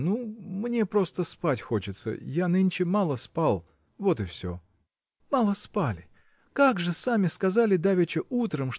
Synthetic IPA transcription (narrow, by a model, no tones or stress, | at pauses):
numnʲe̞pɾo̞st̪əspatʲxo̞t͡ɕɪt̪sə̰janɨnʲt͡ɕɪmalˠəspalˠ | vo̞t̪ɨfsʲo̰ | malˠəspalʲɪ | kaɡʐɨsamʲɪskɐzalʲɪd̪avʲɪt͡ɕɪʔut̪ɾəmʂ